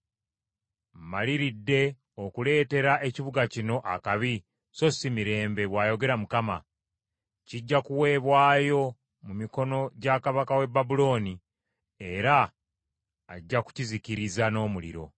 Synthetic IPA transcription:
m̩maliɾidːe̞ | o̞kule̞ːte̞ɾaʔe̞ciβuɡacino̞ʔakaβi | so̞simiɾe̞ːmbe̞βwaːjo̞ɡe̞ɾamukama̰ | ciɟːakuwe̞ːβwaːjo̞ | mumiko̞no̞ɟakaβakawe̞babulo̞ːni | e̞ɾa | ɟːaku̥cizikiɾizano̞ːmulḭɾo̞̰

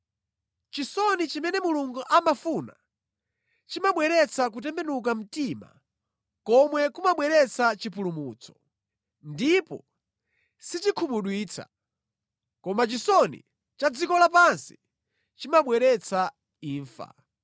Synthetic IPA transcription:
t͡ʃisɔnit͡ʃimɛnɛmuluŋɡuʔamafuna̰ | t͡ʃimaɓwɛɾɛt͡sʰak̬ut̬ɛmbɛnuk̬am̩tima̰ | kɔmwɛkumaɓwɛɾɛt͡sʰat͡ʃipulumut͡sʰɔ̥ | ndipɔ | sit͡ʃikʰumuɗwiːt͡sʰa̰ | kɔmat͡ʃisɔnḭ | t͡ʃad͡zikɔlap̬ansi̥ | t͡ʃimaɓwɛɾɛt͡sʰa | iːɱfa̰

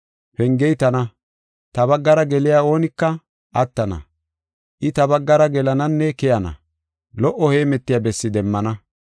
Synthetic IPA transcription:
pɛŋɡɛjt̪ɐnɐ | t̪ɐβɐɡːɐɾɐɡɛlɪjaːo̞ːnɪkːɐ | ʔɐt̪ːɐnɐ̰ | ʔɪt̪ɐbɐɡːɐɾɐɡɛlɐnɐnːɛkɛjɐnɐ̰ | lɔʔːɔhe̞ːmɛt̪ːɪjɐbɛsːɪd̪ɛmːɐnɐ

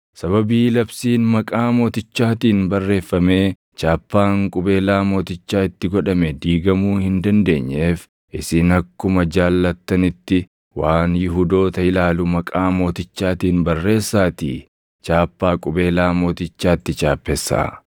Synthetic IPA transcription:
sɐβɐbiːlɐbsiːnmɐkʼaːmo̞ːt̪ɪt͡ʃːaːt̪iːnbɐrːe̞ːfːɐme̞ː | t͡ʃaːpːaːŋkʼʊbe̞ːlaːmo̞ːt̪ɪt͡ʃːaːɪt̪ːɪɡɔᶑɐmɛd̪iːɡɐmuːhɪnd̪ɐnd̪e̞ːɲːe̞ːf | ʔɪsɪːnɐkːʊmɐd͡ʒaːlːɐt̪ːɐnɪt̪ːɪ | waːnjɪɦud̪o̞ːt̪ɐɪlaːlʊmɐkʼaːmo̞ːt̪ɪt͡ʃːaːt̪iːnbɐrːe̞ːsːaːt̪ḭː | t͡ʃaːpːaːkʼʊbe̞ːlaːmo̞ːt̪ɪt͡ʃːaːt̪ːɪt͡ʃʼaːpːɛsa̰ː

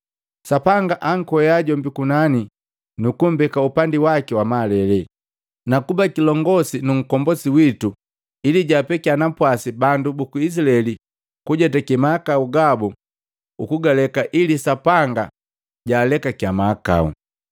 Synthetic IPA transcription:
sapaŋɡaʔaŋ̩kwɔɛjaɟɔmbikunani | nukum̩bɛkaupandiwakiwamalɛlɛ | nakubakilɔŋɡɔsinuŋ̩kɔmbɔsiwitu | iliɟaːpɛkianapwasibandubukuis̬ilaɛli | kuɟɛtakimaːkauɡabu | ukuɡalɛkaʔilisapaŋɡa | ɟaːlɛkakiamaːka̰ṵ

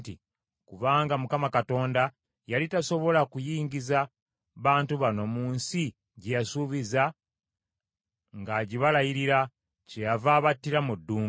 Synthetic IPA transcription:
ti | kuβaːŋɡamukamakato̞ːnda | jalitaso̞βo̞lakujiːɲɟiza | βaːntuβano̞muːnsi | ɟejasuβiza | ŋɡaːɟiβalajiɾiɾa | cejavaːβatːiɾamudːuː

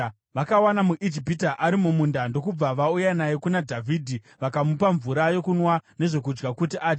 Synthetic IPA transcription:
ʋakawanamuʔid͡ʒipitaʔaɾimumundando̞kub͡vaʋaujanajekunadʱavʱiːdʱi | ʋakamupaɱvuɾajo̞kunwane̞ʐo̞k̬ud͡ʒɡakutiʔaːd͡ʒa

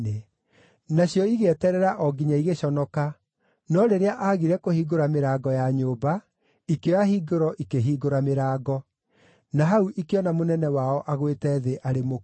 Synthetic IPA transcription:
e | naɕjɔiɣeɛtɛɾɛɾaʔɔɡiɲaiɣeɕɔnɔka | nɔɾeɾeaʔaɣiɾɛkohiɡoɾameɾaːɡɔjaɲoːba | ikeaɦiɡoɾɔʔikeɦiːɡoɾameɾaːɡɔ | naɦauʔikeɔnamonɛnɛwaɔʔaɣwetɛːðeʔaɾemo

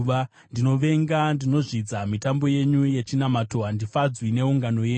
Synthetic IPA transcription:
a | ndino̞ʋe̞ŋɡandino̞ʐid͡zamitambo̞je̞ɲuje̞t͡ʃinamato̞ɦandifad͡zwine̞uŋɡano̞je

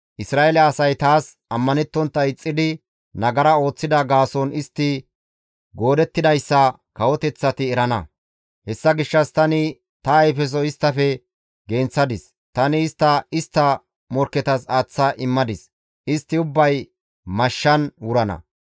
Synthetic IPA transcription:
ʔɪsɾaːelɛːsɐjt̪aːs | ɐmːɐnɛt̪ːɔnt̪ːɐɪt͡sʼːɪd̪ɪ | nɐɡɐɾɐo̞ːt͡sːɪd̪ɐɡaːsɔnɪst̪ːɪ | ɡo̞ːd̪ɛt̪ːɪd̪ɐjsːɐ | kɐwɔt̪ɛt͡sːɐt̪ɪɛɾɐnɐ̰ | hɛsːɐɡɪʃːɐst̪ɐnɪ | t̪ɐːjfɛs̬ɔɪst̪ːɐfɛ | ɡeːnt͡sːɐd̪ɪs | t̪ɐnɪːst̪ːɐɪst̪ːɐ | mɔɾkːɛt̪ɐsaːt͡sːɐʔɪmːɐd̪ɪs | ʔɪst̪ːɪʊbːɐj | mɐʃːɐnwʊɾɐnɐ̰

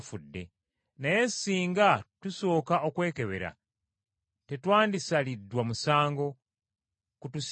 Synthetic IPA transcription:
fudːe̞̰ | naje̞siːŋɡatuso̞ːkao̞kwe̞ːke̞βe̞̰ɾa̰ | te̞twaːndisalidːwamusaːŋɡo̞ | kutus

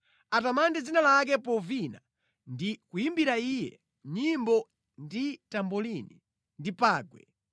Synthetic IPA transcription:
atamandɛd͡zinalak̬ɛpɔvina | ndikujimbiɾaijɛ̰ | ɲimbɔ | nditambɔlini | ndipaːɡwɛ̰

